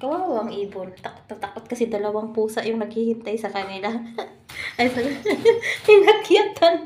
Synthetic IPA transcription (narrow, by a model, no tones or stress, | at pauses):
kɐwaːwoʔɐŋiːbolt̪ɐko̥t̪ːɐt̪ɐkot̪̚kɐsɛd̪ɐlɐwaŋpuːsɐʔjʊŋnɐɡ̚hiːhɪnt̪ajsɐkɐnɪla | ɐjsɐ | jnɐɡɪjɐt̪an